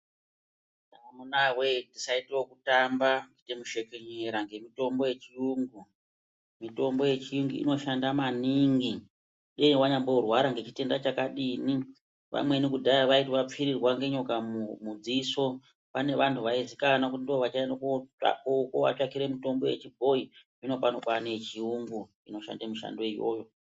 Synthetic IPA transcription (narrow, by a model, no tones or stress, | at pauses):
namunawetisaiteokutambaŋɡitemuʃe̞keɲeɾaŋɡe̞mito̞mbo̞je̞t͡ʃijuŋɡu | mito̞mbo̞je̞t͡ʃijuŋɡuḭno̞ʃandamaniŋɡi | ɗeniwaɲambourwaɾaŋɡe̞t͡ʃite̞ndat͡ʃakaɗini | ʋa̰mwe̞nikudʱaiʋaitʋap͡fiɾirwaŋɡe̞ɲokamumud͡ziso̞ | pane̞ʋantʰuʋaizikanakuindoʋat͡ʃaendakoa̰kokowa̰t͡ʃakiɾe̞mito̞mbo̞jḛt͡ʃibʱo̞i | ino̞panokwanet͡ʃiuŋɡu | ino̞ʃa̰ndamiʃa̰ndo̞ijo̞̰ːjo